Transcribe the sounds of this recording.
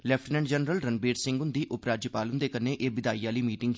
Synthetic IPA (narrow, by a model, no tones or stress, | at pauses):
lɛpʰʈnɛ̃ːɳɖd͡ʒənɾəlɾənbeːɾsɪ̃ŋɡʊnd̪iːʔʊpɾaːd͡ʒjəpaːlʊnd̪eːkəneːʔeːbɪd̪aːiːaːliːmiːʈɪ̃ŋɡ